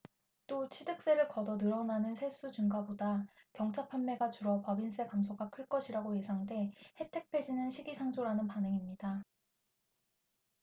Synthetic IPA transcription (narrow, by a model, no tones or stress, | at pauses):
t͈ot͡ɕʰidɯk̚s͈e̞ɾɯɭkʌdʌnɯɾʌnanɯnsʰe̞s͈ut͡ɕɯŋɡaboda | kjʌŋt͡ɕʰapʰanmːe̞ɡat͡ɕuɾʌpʌbins͈ʰe̞kamsʰoɡakʰɯɭk͈ʌɕʰiɾaɡoje̞sʰaŋde̞he̞tʰe̞k̚pʰe̞d͡ʑinɯnɕʰiɡisʰaŋd͡ʑoɾanɯnpanɯŋimɲida